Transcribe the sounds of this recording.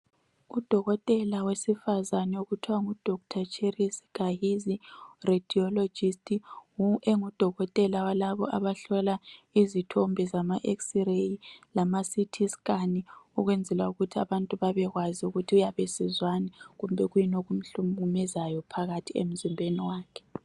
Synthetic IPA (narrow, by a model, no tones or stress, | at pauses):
ud̥ʱɔɣɔtʼɛlawesifazanɛoɣutʰiwaŋud̥ʱɔk̚tʰat͡ʃʰʼerisi̥kaɦizired̥ʱiɔlod͡ʒistʼiuʔeŋud̥ʱɔɣɔtʼɛlawalaβɔ̰ʔaβaɬɔlaizitʰɔmbʱɛzamaʔeksirejilamasitʰiskʼaniuɣwɛnd͡zʱɛlauɣutʰiaβantʼuβaβɛɣwaziuɣutʰiujaβesizwanɛɣumbʱɛɣujinoɣum̩ɬumumɛzajɔpʰaɣatʰiḛm̩zimbʱeniwaːkʰɛ̥